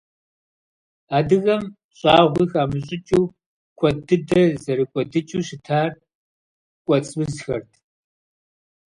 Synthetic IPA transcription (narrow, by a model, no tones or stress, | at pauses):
aːdɨɣɐm | ɕʼɑːʁʷiːxaːmɨɕʼɪt͡ʃʼuː | kʷʰɔdɨdɐzɐɾɨkʷʼɔdɨt͡ʃʼuːɕɪtʰaːr | kʷʼɔt͡sʼbɨzxɐ̰rtʰ